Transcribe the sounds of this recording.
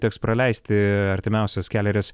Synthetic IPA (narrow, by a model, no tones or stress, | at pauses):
t̪ʲɛːkspɾɐlʲɛɪsʲt̪ʲɪɐɾʲt̪ʲɪmʲæˑʊsʲoːskʲæːlʲɛɾʲes